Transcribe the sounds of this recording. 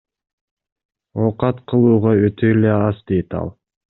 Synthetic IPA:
oqɑt̪qʰɯlˠuːʁɑøt̪ʰøjleɑzd̪ejt̪ɑ̰lˠ

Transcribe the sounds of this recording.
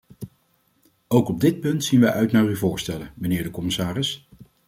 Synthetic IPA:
owkɔb̚dɪt̚pɵntsinʋɛjʔœɥtnaːɹyvʊːɹstɛlənmənɪːɹdəkɔmɪsaːrɪs

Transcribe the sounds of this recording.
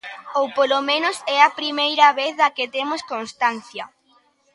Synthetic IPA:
owpolomẽnʊsɛɐpɾimejɾɐβeθðɐket̪emoskonst̪an̟θjɐ

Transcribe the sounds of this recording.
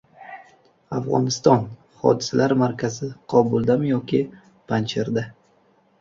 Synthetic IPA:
afʁɒ̰nɪst̪ɒn | χɒ̰d̪ɪsalaɾmaɾkʲʰazɪqʰɒbʊlˠd̪amjɒkʲɪ | pʰant͡ʃʰeɾd̪a

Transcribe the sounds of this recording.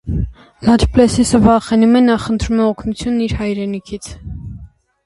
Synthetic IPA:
lɑd͡ʒplɛsisəvɑχɛnumɛnɑχənt̪ʰɾumɛɔkʰnut͡sʰjunːiɾhɑjɾɛnikʰit͡sʰ

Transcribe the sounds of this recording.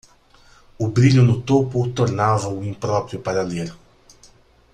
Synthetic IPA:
ʊbɾiʎʊnʊt̪opʊt̪oɾnavɐʊĩmpɾɔpɾjʊpaɾaleɾ

